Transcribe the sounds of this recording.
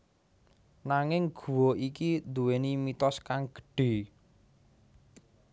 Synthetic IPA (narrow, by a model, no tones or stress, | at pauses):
naŋɪŋɡ̥ṳwoʔikid̪uwenimit̪ɔskaŋɡ̥ə̥̤ɖ̥e̤